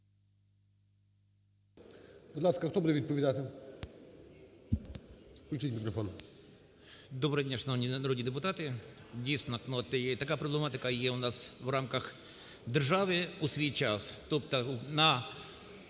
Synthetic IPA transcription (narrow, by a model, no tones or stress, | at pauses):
bd̪lˠaskɐxt̪obud̪ɛvʲid̪̚pəvʲɪd̪at̪ɪ | klʲut͡ʃitʲmʲɪkɾɔfon | d̪obɾɛɛdʲaʂnonʲnɐɾod̪ʲnʲiɪd̪ɛp̬ʊt̪at̪ɪdʲest̪ʲɪnɐknot̪t̪ɐkajɐpɾɔblʲˠɛmat̪ɪkajeʊnasvramkɐx | d̪ɨrʐaʋɨusvʲit͡ɕast̪opt̪ɐnɐ